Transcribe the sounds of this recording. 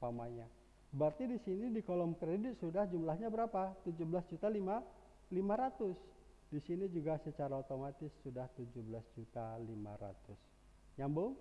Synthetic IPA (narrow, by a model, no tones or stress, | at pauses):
pamaɲa | bərt̪idisinidikolɔmkɾedɪt̪̚sudahd͡ʒumlahɲabəɾapat̪ud͡ʒuhbəlasd͡ʒut̪alima | limaɾat̪ʊs | disinid͡ʒuɡasət͡ʃaɾaot̪omat̪ɪsːudaht̪ud͡ʒuhbəlasd͡ʒut̪alima̰ɾa̰t̪ʊs | ɲambʊŋ